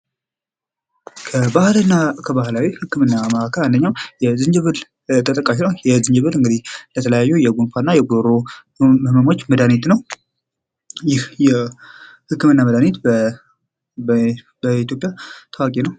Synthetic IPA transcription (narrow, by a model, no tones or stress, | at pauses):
kʰəbahlnːakʰəbahlawihɨkːɨmɨnːaməakʰəland̪əɲːawjɛzɨnd͡ʒɨβɨl | t̪ʰət̪ʼəkʼːaʃ̬inəwjɛzɨnd͡ʒɨβɨlɨŋɡɨd̪ihlət̪ʰələjajːɛjɛɡunfanːajɛɡoɾo | məməmo̞t͡ʃːməd̪anet̪nəw | jɪhjɛ | hɨkːɨmɨnːaməd̪anet̪b | bəit̪ʰjopʼjat̪ʰawakʼinəw